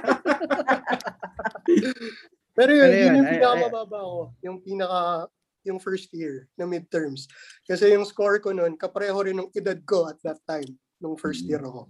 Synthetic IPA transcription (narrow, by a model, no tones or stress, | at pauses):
pɛːɾojonjʊnjʊŋpiːnɐkɐmɐbaːbɐʔɐko̞jʊŋpiːnɐka | jʊŋfɛɹst̪jɪɹnɐmɪd̪̚t̪ɛɹmskɐsɛjʊŋskoɹkononkɐpɐɾɛhoɾɪnjʊŋʔɪd̪ad̪̚ko̞ʔɐt̪̚d̪ɐt̪̚ːajm | nʊŋfɛɹst̪jiɾɐko̞